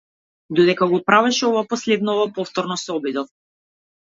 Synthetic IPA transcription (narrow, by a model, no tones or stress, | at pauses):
d̪ɔd̪ɛkaɡɔpɾavɛʃɛɔvapɔslɛd̪nɔvapɔft̪ɔɾnɔsɛɔbid̪ɔf